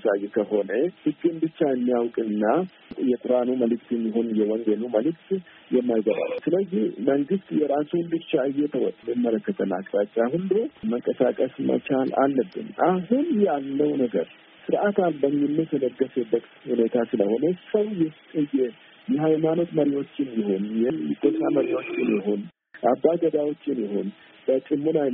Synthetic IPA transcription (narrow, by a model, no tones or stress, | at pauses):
sajːɛkʰəho̞nəhɨkʼːɨnbɨt͡ʃːajɛmːijawkʼɨnːa | jɛkʼʊɾanuməlɨkt̪ɛmːiɦonjɛwɔŋɡeluməlɨk̚t̪ | jɛmːajɡəβa̰lːusɨləzːihməŋɡɨst̪jɛɾasunbɨt͡ʃːaɨjɛt̪ʰəwɔ̰t̪ʼmɨmːələkːət̪ʰəna̰kʼt̪ʼat͡ʃʼːahulːuməŋkʼəsakʼəsmə̰t͡ʃala̰lːəbːɨ̰nʔaɦunjɛalːəwnəɡə̰ɾ | sɨɾʔat̪albəmːɪnːət̪ʰənəɡːəsəbətʼt̪hune̞t̪ʰasɨləho̞nəsəwjɛt̪ʼəjɛ | jɛhajmano̞t̪məɾiwo̞t͡ʃːɪnjɪho̞njɛjkʰʼot̪ʼaməɾiwo̞t͡ʃːɪnjɪɦon | ʔabːaɡəd̪awo̞t͡ʃːɪnjɪhon | bət͡ʃʼɪmːunaj